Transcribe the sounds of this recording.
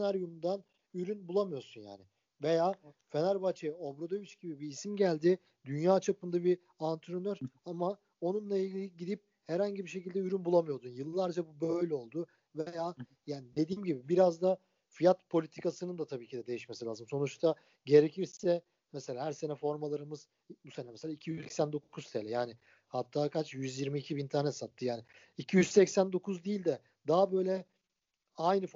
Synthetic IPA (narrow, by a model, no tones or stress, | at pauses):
enaɾjumnd̪an | yɾynbulˠamɯjo̞sunja̰ːnɪ | ve̞jaː | fe̞næɾbat͡ʃʰeo̞bɾo̞d̪ovit͡ʃɟibibiːsimɟælʲd̪ɪ | d̪ynjaːt͡ʃʰapɯnd̪abi | ant̪ʰɾonøɾama | o̞nunlˠailʲɡɟilʲiɟid̪ip̚ | heɾhaɲɟibiʃ̬e̞cilʲd̪ɛyɾynbulˠamɯjo̞d̪unjɯlˠɯːaɾd͡ʒabubø̞jlʲɛo̞lˠd̪u | vejaː | jaːnid̪e̞d̪iːmɟibibiɾazd̪a | fijat̪pʰo̞lʲit̪ʰi̥kasɯnɯnd̪at̪ʰabiːcʰid̪ɛd̪e̞jiʃme̞silʲaːzɯmso̞nut͡ʃt̪ʰa | ɟe̞ɾe̞cʰiɾsɛ | mɛse̞lʲaːhæɾse̞nɛfo̞ɾmalˠaɾɯmɯz̥ | buse̞nɛmɛselʲaːicʰijyzsɛcsænd̪o̞kʰust̪ʰelʲɛjaːnɪ | hat̪ʰːaːkat͡ʃjyzjiɾmiːcʰibint̪ʰaɾnɛt̪sat̪ʰːɯjaːnɪ | icʰijyzsɛcsænd̪o̞kʰuzd̪iːlʲd̪ɛ | d̪aɦabø̞jlʲɛ | ajnɯf